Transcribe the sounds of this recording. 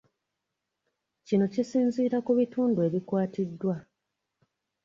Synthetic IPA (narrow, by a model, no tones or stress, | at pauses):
cino̞cisiːnziːɾakuβituːndue̞ːβikwaːtidːwa